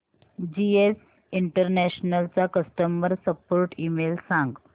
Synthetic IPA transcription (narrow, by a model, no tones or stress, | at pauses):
d͡ʑies | iɳʈəɾnæɕnəlt͡sakəsʈəmʋəɾsəpoɾʈiːmelsãŋɡ